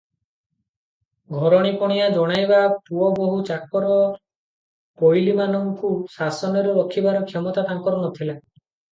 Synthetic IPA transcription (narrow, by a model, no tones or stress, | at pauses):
ɡʱɔɾɔɽ̃ipɔɽ̃iad͡ʒɔɽ̃ajbapuɔboɦut͡ʃakɔɾɔ | pojlimanɔŋkusasɔnɔɾɔɔkʰibaɾɔkʰɔmɔt̪at̪aŋkɔɾɔnɔt̪ʰila